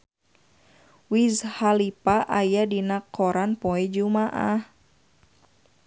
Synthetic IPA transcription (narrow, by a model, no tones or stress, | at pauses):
wizhalipaʔajadinakʰːɔɾanpɔɛd͡ʒumaʔa̰h